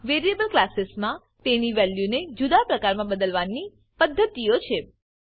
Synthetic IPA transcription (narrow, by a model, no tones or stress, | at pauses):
ʋeɾiebəlklasɪsmã | t̪eniʋɛljuned͡ʒud̪apɾəkaɾmãbəd̪əlʋanːi | pəd̪ʱːət̪iot͡ʃʰe